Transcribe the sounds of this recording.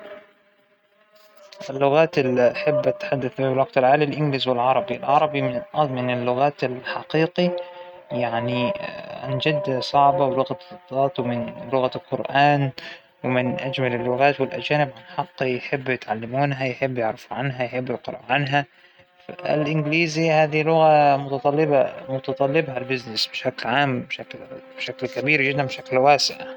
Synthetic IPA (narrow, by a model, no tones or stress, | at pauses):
ʔɪlːʊɣaːt̪ɪlːiaħɪbːat̪ːħad̪ːaθbiːbɪlwɑɡt̪ɪlʕaːlilʔɪnɡliːzwɪlʕɑɾˤɑbilʕɑɾˤɑbimʔmɪnɪlːʊɣaːt̪ɪlħɑqiːqi | jaʕniʕa̰nd͡ʒɪd̪ːasˤɑʕbɑwlʊɣad̪ˤɑːt̪wɪmɪnlʊɣalqʊɾʔaːn | wɪmɪnʔæd͡ʒmælɪlːʊɣaːt̪wɪlʔæd͡ʒæːnɪbʕanħɑqːjeħebːjet̪ʕalːɪmuːnɦæjeħebːjeʕɾɪfuʕanɦæjeħebːɪlqɨɾˤɑ̰ːʕʕanɦæ | æ̰ɪ̰lʔɪnɡliːzihæːd̪ilʊɣæmʊt̪ɑt̪ˤɑlːɪbɑmʊt̪ɑt̪ˤɑlːɪbhalbɪznɪsbeʃæklʕaːmbʃæklb̥ʃæklkæbiːɾɡɪd̪ːænbeʃæklwæːsɪʕ